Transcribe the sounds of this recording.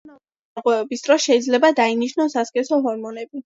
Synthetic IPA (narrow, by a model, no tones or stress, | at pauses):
na | aɾqʼwɛɛbisd̪ʼɾɔsʃɛid̪zlɛbad̪ainiʃnɔsaskʼɛsɔɦɔɾmɔnɛbi